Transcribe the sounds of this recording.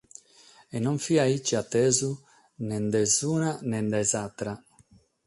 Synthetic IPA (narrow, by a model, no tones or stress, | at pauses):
ɛnɔɱfiait͡ʃːiat̪ːɛːzu | nɛnd̪ɛzuːnanɛnd̪ɛzat̪ɾa